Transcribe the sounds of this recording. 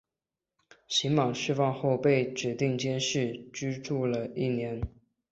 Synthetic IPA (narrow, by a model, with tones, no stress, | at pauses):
ɕi˧˥ŋmɑ˨˩ŋɕy˥fɑ˥˧ŋxo˥˧ʊpe˥˩ɪʈ͡ʂɻ̩˨˩t̪i˥˩ŋt͡ɕjɛ˥nʂɻ̩˥˩t͡ɕy˥ʈ͡ʂu˥˩lə˩i˥˩njɛ˧˥n